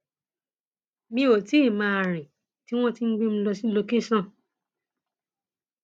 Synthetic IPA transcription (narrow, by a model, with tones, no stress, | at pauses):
mĩ˧o˨ti˨˦i˦˨mãː˧a˨ɾ̃ĩ˨ | ti˦w̃ɔ̃˦ti˦n̩˦ɡ͡be˦m̩̃˧˦lɔ˧si˦lo˧ke˦sɔ̃˦˨